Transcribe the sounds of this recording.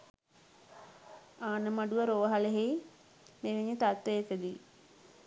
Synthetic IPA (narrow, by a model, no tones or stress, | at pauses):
aːnəmaɖuʋəɾoʋəɦaleɦej | meːʋeɲːət̪at̪ʋeekəd̪i